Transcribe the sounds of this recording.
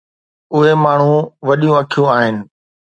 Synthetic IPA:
ʊɦemaːɳ̤ũʋɐɗijũɐkʰijũaːɦɪnɪ̆

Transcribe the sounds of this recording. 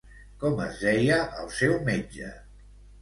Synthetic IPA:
kɔmə̰zðɛjəʔəlˠsɛwmed͡ʒə̰

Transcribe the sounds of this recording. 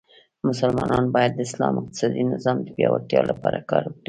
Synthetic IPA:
mʊsalmɑnʔɑnbɑjad̪̚ːəɪslɑmɪq̚t̪ɪ̥sɑd̪inɪzɑmd̪əbjɑwat̪jɑlʔapɑɾakɑɾwəkɽi

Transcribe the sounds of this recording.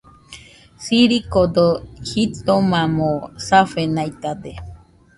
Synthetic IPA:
siɾikod̪ohit̪omãmosafenajt̪ad̪e

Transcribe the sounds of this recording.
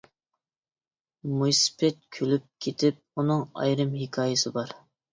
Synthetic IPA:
mujspʰɛt̪̚kʲʰølyp̚kʲʰet̪ʰɪp̚unɨŋɑ̰jɾɨmɦikʰɑːjɪsɨbɑɾ

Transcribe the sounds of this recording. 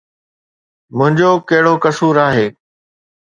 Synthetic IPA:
mʊ̃ɦɪ̃ɲd͡ʑokɐɦɪɽokɐsuːɾaːɦeː

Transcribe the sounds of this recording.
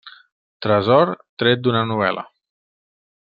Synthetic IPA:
t̪ɾəzɔɾt̪ɾɛt̪̚d̪unənuβ̞ɛlə̰

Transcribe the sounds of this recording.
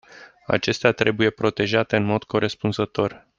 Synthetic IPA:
a̰t͡ʃe̞st̪eat̪ɾe̞buje̞pɾo̞t̪e̞ʒat̪e̞ɨnmo̞d̪kʰo̞ɾe̞spunzət̪o̞r

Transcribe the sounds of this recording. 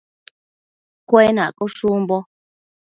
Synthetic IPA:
kwɛna̰kɔʃumbɔ

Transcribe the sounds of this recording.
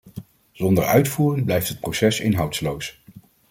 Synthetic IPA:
z̥ɔndəɹœ̰ɥtfuːrənblɛjftɦət̚prowsɛsɪ̰nɦɑwtlows

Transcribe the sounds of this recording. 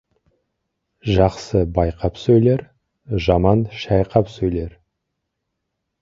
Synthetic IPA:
ʒɑqsəbɑjqɑpsɵjle̞ɾ | ʒɑmɑnʃɑjqɑpsɵjle̞ɾ

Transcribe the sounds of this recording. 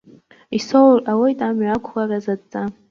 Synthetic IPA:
isowrawajtʼamɥakʷʰχarazadt͡sʼːa

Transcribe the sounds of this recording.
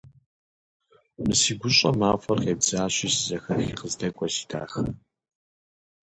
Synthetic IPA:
mɨsiːɡʷʊɕʼɐmaːfɐrqeːbzaːɕiːsɨzɐxɐxiːqəzdʰɐkʷʼɔsi̥tʰa̰ːxɐ

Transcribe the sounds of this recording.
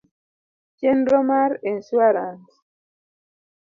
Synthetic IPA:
t͡ʃɛnɾɔmaɾɛn̩swaɾans

